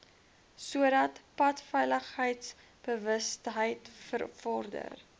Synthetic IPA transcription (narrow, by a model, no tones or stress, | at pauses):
suəɾɐtpɐtfɛjləχəjts | b̥əvəstɦəjtfə̰rfɔrdə̰r